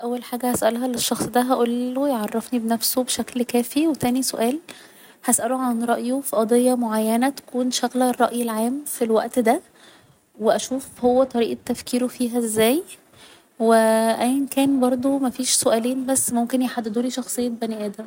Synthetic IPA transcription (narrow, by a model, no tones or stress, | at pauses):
ʔæwːælħaːɡæhæsʔælɦælːeʃːɑxsˤd̪æɦæʔolːojʕɑrˤːɑfnibenæfsobeʃæklkæːfiwet̪æːnisoʔæːl | hæsʔæloʕanɾˤɑʔjofiʔɑd̪ejːɑmoʕajːænæt̪æ̥kuːnʃæɣlærˤːɑ̰ʔjelʕaːmfilwæ̰ʔt̪d̪æ | weʔæʃuːfhowːæt̪ˤɑɾiːʔt̪ːæfkʰiːɾofiːɦæezːæːj | weʔæjːnkæːnbɑɾˤd̪ˤomæfiːʃsoʔæːleːnbæsːmomkenjeħad̪ːed̪uːliʃɑxsˤejːebæniʔæːd̪æm